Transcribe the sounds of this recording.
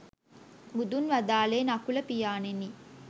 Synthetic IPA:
mud̪unʋad̪aːleːnakulɐpijaːneni

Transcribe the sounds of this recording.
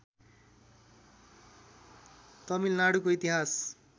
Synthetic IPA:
t̪ʌmilnaɽukoit̪iɦas

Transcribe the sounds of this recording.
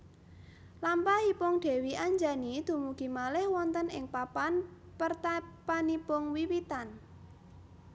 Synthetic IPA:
lampahipʊŋɖ̪̥e̤wiʔaɲd͡ʒanid̪̥ṳmuɡ̥i̤malɪhwɔnt̪ənɪŋpapan | pərt̪apanipʊŋwiwit̪an

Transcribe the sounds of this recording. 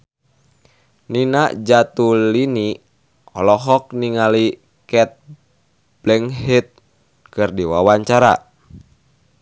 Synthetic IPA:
ninaʔd͡ʒat̪ulini | ɔlɔɦɔk̚niŋali | kɛt̪̚ | b̥lɛŋhit̪̚ | kɨrdiwawaɲt͡ʃaɾa̰

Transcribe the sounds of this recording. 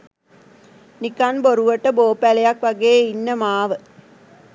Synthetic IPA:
nikanboɾuʋəʈːəboːpælejakʋɐɡeːinːəmaːʋə

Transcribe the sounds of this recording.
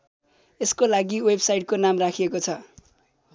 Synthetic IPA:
eskolaɡiwebsajʈ̚konamrakʰiekot͡sʰʌ

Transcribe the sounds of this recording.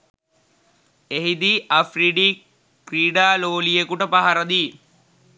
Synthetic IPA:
eɦid̪iːʔafriɖiː | kriːɖaːloːlijekuʈəpaɦaɾɐd̪i

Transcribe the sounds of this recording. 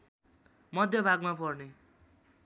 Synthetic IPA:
mʌd̪ʱjʌbʱaɡmapʌrne

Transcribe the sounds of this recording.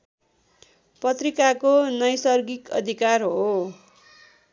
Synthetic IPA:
pʌt̪rikakonʌjsʌrɡikʌ̰d̪ʱikarɦo

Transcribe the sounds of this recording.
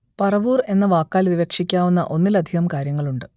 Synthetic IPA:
pɐrɐʋuːre̞nːɐʋaːkːaːlʋiʋekʂikʲːaːʋunːɐ̰ʔo̞nːilɐd̪ʱihɐmkaːɾjɐŋːɐɭuɳɖɨ

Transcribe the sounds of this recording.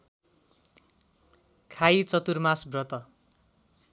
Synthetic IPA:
kʰajt͡sʌt̪urmasbrʌt̪ʌ

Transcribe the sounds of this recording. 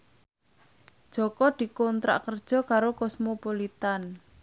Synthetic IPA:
d̥ʒ̥ɔ̤kɔd̪̥i̤kɔnt̪ɾa̰ʔkərd̥ʒ̥ɔ̤kaɾokɔsmopolit̪an

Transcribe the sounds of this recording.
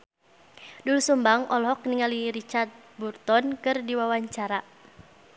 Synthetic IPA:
dulusumbaŋɔlɦɔk̚niŋaliɾit͡ʃart̪̚burt̪ɔnkɨrdiwawaɲt͡ʃaɾa

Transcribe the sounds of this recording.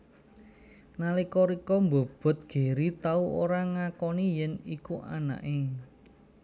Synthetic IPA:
nalikɔɾikɔmbo̤b̥ɔ̤t̪̚ɡ̥e̤ɾit̪auo̰ɾaŋakɔnijɛnikuʔa̰na̰ʔe

